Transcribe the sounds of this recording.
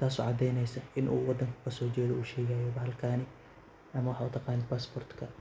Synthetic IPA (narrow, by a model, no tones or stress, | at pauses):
t̪ʰaːsɔ̰ːʕɑd̪ɛjnɛjsɐʔɪnʔṵːwɑd̪ːɐŋkʰɐ̥kʰɐsɔːt͡ʃɛːðɔuːʃɛːɣajɔbɐɦɐlkʰaːnɪ | ʔɐmɐwɑħɑʊt̪ʰɑqɑːnɪpaːsbʰɔrt̪kʰɐ